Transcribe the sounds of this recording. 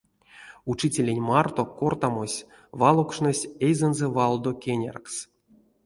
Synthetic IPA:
ut͡ʃitʲelʲenʲmart̪o̞kort̪amosʲ | vɑlˠokʂnesʲejzɛnzɛvɑlˠd̪okʲenʲa̰rks

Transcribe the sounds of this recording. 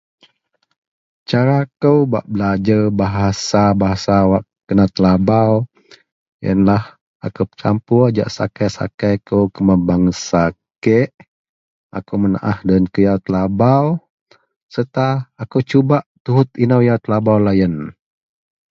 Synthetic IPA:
t͡ʃaɾakəwba̰ʔbəlad͡ʒəbaɦasabaɦasawaʔ | kənat̪əlabaw | jə̰nlah | a̰kəwpə̥t͡ʃampud͡ʒa̰ʔsa̰kəsa̰kajkəwkəməbaŋsakeʔ | a̰kəwməna̰ʔahdənkəjawt̪əlabaw | sərt̪aːkəwt͡ʃubaʔt̪uɦʊt̪inəwjawt̪əlabawlajən

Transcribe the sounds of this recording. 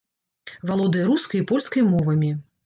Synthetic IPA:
valˠɔd̪ɨjɐɾuskɐjipɔlʲskɐjmɔvɐmʲi

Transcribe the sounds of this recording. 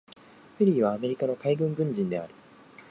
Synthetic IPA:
ɸɯɾʲiːβaːme̞ɾʲikano̞kaiɡɯ̟̃ŋɡɯ̟̃ɲ̟d͡ʑĩnd̪e̞a̰ɾɯ̟

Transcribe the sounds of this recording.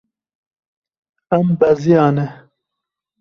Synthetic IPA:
ɐmbɐzijaːne

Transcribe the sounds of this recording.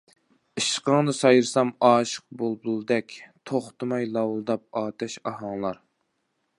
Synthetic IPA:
ɨʃqəŋnɨsɑjɨɾsɑmɑːʃə̥q̚bolˠbulˠɨd̪ɛkʲt̪ʰoχt̪ʰɨmɑjlˠɑwlˠd̪ɑp̚ɑːt̪ʰɛʃɑɦɑŋlˠɑɾ

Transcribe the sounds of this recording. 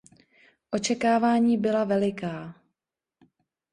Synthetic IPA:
ʔo̞t͡ʃɛkaːvaːɲiːbɪlavɛlɪkaː

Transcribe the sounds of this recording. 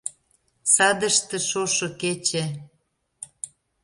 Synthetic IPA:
sɑd̪ə̆ʃt̪ĕʃoʃŏket͡ɕe

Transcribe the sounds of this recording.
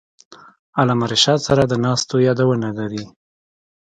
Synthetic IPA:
alɑmaɾɪʃɑd̪saɾad̪ənɑst̪ojɑd̪awənalaɾi

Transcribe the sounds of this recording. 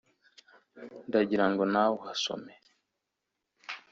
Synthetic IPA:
ndaɟiɾaŋɡo̞nawohaso̰me

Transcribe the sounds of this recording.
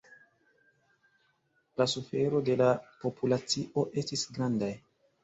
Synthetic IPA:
lasufe̞ɾo̞de̞lapo̞pulat͡siʔo̞ʔe̞stisɡɾandaj

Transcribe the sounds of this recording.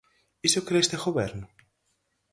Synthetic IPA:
isokɾeest̪exoβeɾno

